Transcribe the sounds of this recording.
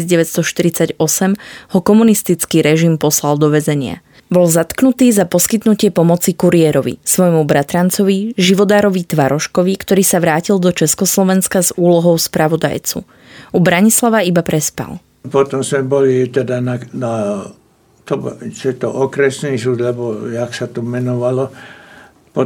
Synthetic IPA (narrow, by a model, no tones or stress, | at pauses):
zɟɛʋɛst̪ɔʃt̪iɾit͡saɟɔsɛmhɔkɔmunist̪it͡skiːɾɛʒimpɔslald̪ɔʋɛzɛɲɪa̰ | bɔlzat̪knut̪iːzapɔskit̪nucɪɛpɔmɔt͡sikuɾiɛːɾɔʋḭsʋɔjmubɾat̪ɾant͡sɔʋiʒiʋɔd̪aːɾɔʋit̪ʋaɾɔʃkɔʋikt̪ɔɾiːsaʋɾaːcild̪ɔt͡ʃɛskɔslɔʋɛnskazuːlɔɦɔʊspɾaʋɔd̪a̰jt͡sṵ | ʔubɾaɲislaʋaibapɾɛspa̰l | pɔt̪ɔmzmɛbɔlit̪ɛd̪anana | t̪ɔbt͡ʃɛt̪ɔʔɔkɾɛsniːsud̪lɛbɔaksat̪ɔmɛnɔʋalɔ | p